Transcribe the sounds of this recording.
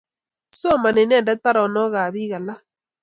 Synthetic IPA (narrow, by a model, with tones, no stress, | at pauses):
so˦ma˨ne˨n˦ɛ˦˨dɛ˦t̚tpa˦ɾɔ˨nɔ˦ɣa˨βi˦ɣa˨la˦